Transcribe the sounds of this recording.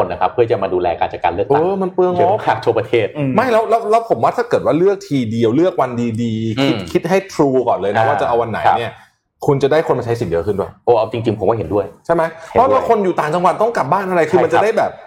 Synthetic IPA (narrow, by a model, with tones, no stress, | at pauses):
o˧nʔa˧kʰa˦˥pʰːɯ˥˩ət͡ɕa˨˩maː˧duː˧lɛː˧kaː˧nt͡ɕaː˨˩kːaː˧nlɯ˥˩ək̚ʔ̪aɤː˦˧˩ma˧npɯ˧əŋʔɔː˦˥kʰaː˨˩k̚t̪ʰu˧əpɾa˧t̪ʰeː˥˩t̪̚ma˥˩jlɛː˦˥wlɛː˦˥wlɛː˦˥wpʰo˨˩˦mwaː˥˩t̪ʰaː˥˩kɤ˨˩t̪̚waː˥˩lɯ˥˩ək̚t̪ʰiː˧di˧əwlɯ˥˩ək̚wa˧ndiː˧diː˧kʰi˦˥t̪̚kʰi˦˥t̪̚ɦa˥˩jt̪ʰɾuː˧kɔː˨˩nlɤː˧jnɛ˦waː˥˩t͡ɕa˨˩ʔa˧wa˧nːa̰˨˩˦ni˥˩ɐ | kʰu˧nt͡ɕa˨˩daː˥˩jkʰo˧nma˧t͡ɕʰa˦˥si˨˩˦njɤ̰˦˧kʰɯ˥˩ndu˥˩əjʔɤː˧˩ʔa˧˩wt͡ɕi˧ŋt͡ɕi˧ŋpʰo˩˦mkaː˥˩he˩˦du˥˩əjt͡ɕʰa˥˩jma˦˥jʰɔ˦˥lɛː˦˥kʰo˧njuː˨˩t̪aː˨˩ŋt͡ɕa˧ŋwa˨˩t̪̚t̪ɔ˥˩ŋka˨˩p̚baː˥˩nʔa˧ɾa˧jʰɯ˧˩ma˧nt͡ɕa˨˧da˥˩jbɛː˨˩p̚